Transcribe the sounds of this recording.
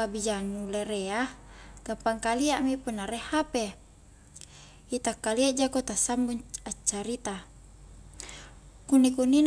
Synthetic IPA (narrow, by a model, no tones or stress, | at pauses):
abid͡ʒanuleɾeaɡ̥ampaŋkaliaʔmipunːaɾehape | it̪akːaliaʔd͡ʒakot̪asambuɲat͡ʃːaɾit̪a | kunːikunin